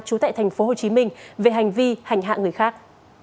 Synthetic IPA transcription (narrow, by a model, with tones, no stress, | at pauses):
t͡ɕu˨˦t̪a̰ː˧˨t̪ʰa˨˩ŋ̟fo˨˦ɦo˨˩t͡ɕi˨˦mï˧ŋ̟ve˨˩ɦa˨˩jŋ̟vi˧ha˨˩jŋ̟ɦa̰ː˧˨ŋɨ˨˩əjxaː˦˥k̚